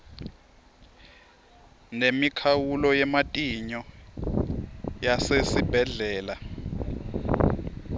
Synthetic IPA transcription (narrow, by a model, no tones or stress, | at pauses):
nemikʰawulɔjɛmatʼiɲɔ | jasesib̥ʱɛɮɛːla